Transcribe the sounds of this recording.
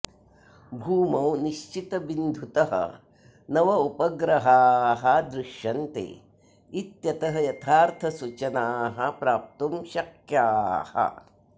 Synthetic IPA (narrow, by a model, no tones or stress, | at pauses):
bʱuːmɐwniʃt͡ʃit̪ɐbind̪ʱut̪ɐɦɐ̰ | nɐʋɐupɐɡɾɐɦaːɦɐd̪ɾɪʃjɐnt̪ḛː | it̪jɐt̪ɐɦɐjɐt̪ʰaːɾt̪ʰɐsut͡ʃɐnaːɦɐpɾaːp̚t̪umʃɐkjaːhɐ̰